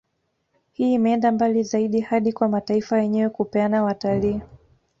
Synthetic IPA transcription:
hiːimɛɛndambalizaiɗihaɗikwamataifajɛɲɛwɛkupɛanawataliː

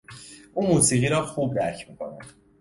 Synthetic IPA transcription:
ʔuːmuːsiːɣiːɾɒːxuːb̚d̪æɾcʰmiːkʰo̰næ̰̥

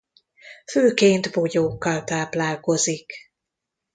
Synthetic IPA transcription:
føːkeːnt̪bojoːkːɒlt̪aːplaːlko̞zik

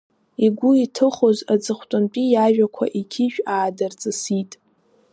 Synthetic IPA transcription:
iɡʷʊitʰɨχozad͡zɨχʷtʼant͡pʼijaʒᶣakʷʰa̰ʔiɡʲʰiʒᶣaːdɨrt͡sʼɨsitʼ

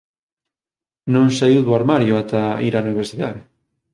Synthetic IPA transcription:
nõŋsaiwðoaɾmaɾjoat̪aiɾauniβ̞eɾsiðaðɪ

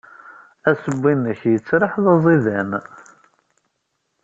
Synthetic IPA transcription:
æsəbːinːəçjət͡sːɾəħðɑzˤiðæn

